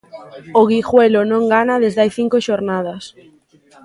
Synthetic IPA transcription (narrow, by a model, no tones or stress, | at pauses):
oɣixwelonõŋɡanaðezðajθiŋkoʃoɾnað̞ɐs